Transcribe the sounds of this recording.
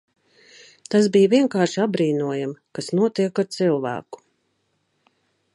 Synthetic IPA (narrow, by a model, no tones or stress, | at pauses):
t̪asbijviɛŋkaːɾʃiabɾiːnuɔjamkasnuɔt̪iɛkaɾt̪silˠvæ̰ːku̥